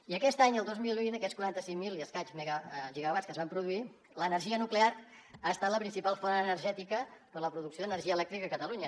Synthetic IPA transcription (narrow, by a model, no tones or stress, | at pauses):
iəkɛst̪aɲəlˠd̪ozmilˠβinəkɛskuɾant̪əsiŋmiliəskad͡ʒzmeɣaʒiɣəβat͡skəzβampɾuðui | lənərʒiənukleaɾ | aəst̪at̪ləpɾinsipalˠfonənəɾʒɛt̪ikəpələpɾuðuksjoðənərʒiəlɛk̚t̪ɾikəəkət̪əluɲə